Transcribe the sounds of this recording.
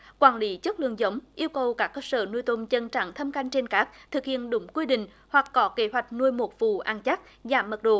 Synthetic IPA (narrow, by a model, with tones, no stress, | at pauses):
kwaː˧˩nli˨˦t͡ɕə˦˥t̚lɨ̰˧˨əŋzə˨˦wŋ͡mʔi˧əwkə˨˩wkaː˦˥kːəː˧səː˧˩nu˧əjt̪o˧mt͡ɕə˧nt͡ɕa̰˧˩˨ŋt̪ʰə˧mka˧jŋ̟t͡ɕe˧nkaː˦˥k̚t̪ʰɨ˨˩k̚hḭ˧˨ənɗʊ˨˦ŋ͡mkwi˧ɗḭ̈˧˨ŋ̟ | hwa˨˩kːɔ˨˦ke˧˦ɦwa˨˩jk̟̚nu˧əjmo˨˩t̚vṵ˧˨ʔaː˧˩nt͡ɕa˦˥k̚ | zaː˧˩mːə˨˩t̚ɗo̰˧˨